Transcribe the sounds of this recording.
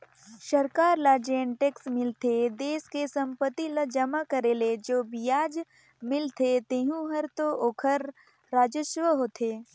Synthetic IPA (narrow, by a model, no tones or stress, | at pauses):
ʃɐɾkaːɾlaːd͡ʒiə̃ɳʈeksmɪlt̪ʰed̪eːskesɐ̃mpət̪ːiləd͡ʒɐmakɐɾeːled͡ʒoːbijaːd͡ʒ | mɪlt̪ʰet̪eːɦũɦəɾt̪oʔoːkʰəɾ | ɾaːd͡ʒəʃʋəɦoːt̪ʰeː